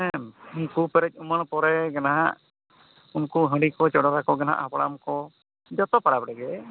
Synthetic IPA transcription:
ɛunkupɛɾɛc̚ˀuməɳ̃pɔɾɛɡɛnaɦa̰ʔ | unkuɦə̃ɖikɔt͡ʃɔɽɔɾakɔɡɛnaa̰ʔhapaɽamkɔ | d͡ʒɔt̪ɔpaɽapɽɛɡɛ

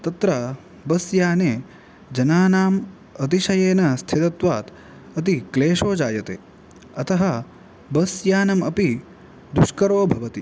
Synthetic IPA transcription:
t̪ɐt̪ɾɐ | bɐsjaːneː | d͡ʒɐnaːnaːm | ɐt̪iʃɐjeːnɐst̪ʰit̪ɐt̪ʋaːt̪ | ɐt̪̬ikleːʂoːd͡ʒaːjɐt̪ḛː | ɐt̪ɐɦɐ | bɐsjaːnɐmɐpi | d̪uʃkɐɾoːbʱɐʋɐt̪i

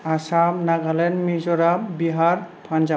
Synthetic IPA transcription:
asab̚naɡalɛnmizɔɾabbiɦaɾpʰand͡ʒa

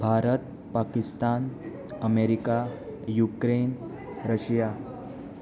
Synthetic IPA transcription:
bʱaɾət̪̚ | pakist̪an | əmeɾika | jukɾen | ɾəɕja

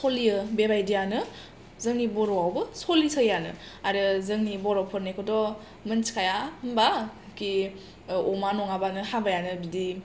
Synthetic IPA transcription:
solijɯbebajdijanɯ | zɯŋnibɔɾɔawbɯsolisʰəjanɯ̰ | aɾɯzɯŋnibɔɾɔpʰɯɾnekʰodɔ | mɯnskʰajaɯmba | ki | ɔmanɔŋabanɯhabajanɯbidi

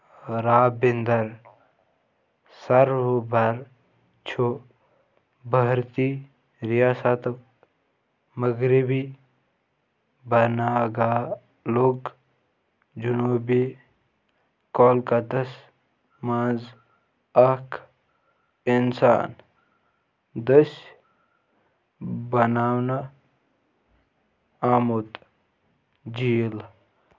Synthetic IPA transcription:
ɾaːbɪnd̪ɐɾ | sɐɾʋobɐɾ | t͡ʃʰo | bəɦɾt̪i | ɾijaːsat̪ | məɡɾibi | bɐnaːɡaː | luɡ | d͡ʒunuːbi | koːlkɐt̪ɐs | maːnz | ɐkʰ | insa̰ːn | d̪ɐs | bɐnaːwna | aːmut̪ | d͡ʒijl

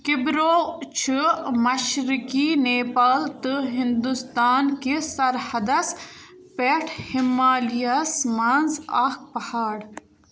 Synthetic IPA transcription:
kibɾoːt͡ʃʰɨmɐʃɾikineːpaːlt̪ɨɦind̪ust̪aːnkesɐɾhɐd̪ɐs | peʈʰhimːaːlijasmanza̰ːk̚pɐhaːɽ

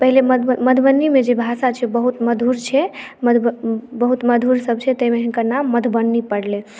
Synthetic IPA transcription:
pəɦileməməd̪ʱbənːimed͡ʒebʱasat͡ʃʰɛbəɦut̪məd̪ʱuɾt͡ʃʰɛməbəɦut̪məd̪ʱuɾsəb̚t͡ʃʰɛt̪əjmeɦinkəɾnamːəd̪ʱbənːipəɽle

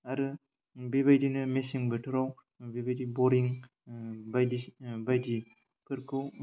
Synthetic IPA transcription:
aɾɯ | beβajdinɯmesiŋbɯtʰɯɾaw | bebajdibɔɾiŋ | bajdibajdi | pʰɯɾkʰɯw

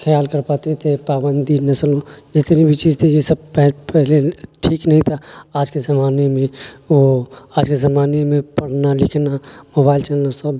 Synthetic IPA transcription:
kʰəjaːlkəɾpaːt̪et̪epaːbənd̪inɐsəlõd͡ʒɪst̪eɾibʱit͡ʃid͡ʒt̪ʰijesəb̚pɛpɛɦleʈʰiːknəɦĩt̪ʰaaːd͡ʒkezɐmaːnemẽoaːd͡ʒkezɐmaːnemẽpəɽnalɪkʰnamoːbaːɪlt͡ʃɛːnəɾsəb

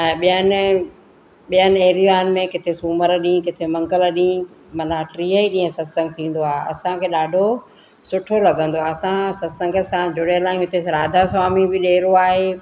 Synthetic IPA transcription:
ɛ̃ːɓijənɪ̆ | ɓijənɪ̆eːɾiaːnɪ̆mẽkɪt̪ʰesuːməɾɗĩkɪt̪ʰemɐ̃ŋɡəlɗĩ | mɐnaʈɾiːəiɗĩːə̃sɐsə̃ŋɡ̚t̪ʰĩːn̆d̪oaːeɐ̰sãkʰeːɗaːɖʱo | sʊʈʰolɐɡʱə̃nd̪oaːɐsãsɐsə̃ŋɡə̆sãd͡ʑʱʊɽelaːɪ̃ɦʊt̪ʰesɾaːd̪ʱaswaːmibɪɗeːɾoaːɦeː

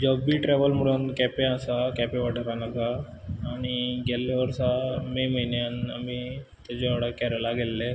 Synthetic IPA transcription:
d͡ʑɔbiʈɾɛʋəlm̤əɽuːnkɛpẽasakɛpeʋaʈʰəɾanaɡaː | ɽ̃iɡelːaʋəɾsameməɦinjana̰mi | t̪jad͡ʑeʋaɽəkɛɾəlaɡelːe

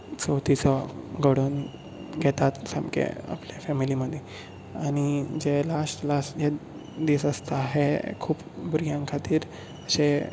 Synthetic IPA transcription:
t͡səwt̪ʰit͡sɔɡəɽən | ɡʱɛt̪at̪sa̰mkʰḛa̰pljafɛmiliməd̪ʱːje | añid͡ʑelasʈlasʈd͡ʑe | d̪isəst̪aːɦekʰuːp | buɾijãŋkʰat̪iːɾ | əɕe

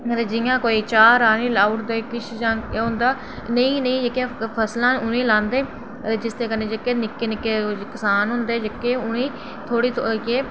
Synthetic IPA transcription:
t̪eːd͡ʒɪjãːkoːiːt͡ʃaːɾaːnĩːlaːʊʈd̪eːkɪt͡ʃʰd͡ʒãːʊ̃nd̪aː | nəĩːnəĩːd͡ʒəkːjẽːpʰəslãːʊnẽːlãːnd̪eː | ed͡ʒɪst̪eːkənːẽːd͡ʒəkːeːnɪkːeːnɪkːeːkəsaːnɦʊnd̪eːd͡ʒəkːeːʊnĩː | t̪ʰoːɽiːt̪ʰokeː

